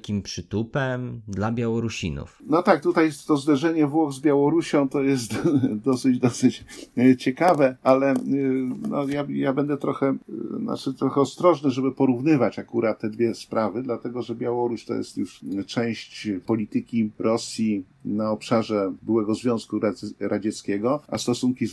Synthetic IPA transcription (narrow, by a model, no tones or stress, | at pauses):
kʲimpʂɘt̪upɛmd̪labʲjawɔɾuɕḭnṵfnɔt̪ak̚t̪ut̪ajɛst̪t̪ɔzd̪ɛʐɛɲɛvwɔɣzbʲjawɔɾuɕɔ̃w̃t̪ɔjɛst̪d̪ɔsɘd͡ʑd̪ɔsɘt͡ɕt͡ɕɛkavɛalɛ | nɔjajabɛnd̪ɛt̪ɾɔxɛna̰t͡ʂɘt̪ɾɔxɛɔst̪ɾɔʐnɛʐɛbɘpɔɾuvnɘvat͡ɕakuɾat̪tːɛd̪vʲjɛspɾavɘd̪lat̪ɛɡɔʐɛbʲjawɔɾuɕt̪ɔ̰jɛ̰st̪juʂt͡ʂɛ̃w̃ɕt͡ɕpɔlʲit̪ɘkʲiɾɔsʲji | naɔpʂaʐɛbɘwɛɡɔzvʲjɔ̃skuɾaɾad͡ʑɛt̪skʲɛɡɔa̰st̪ɔsuŋkʲi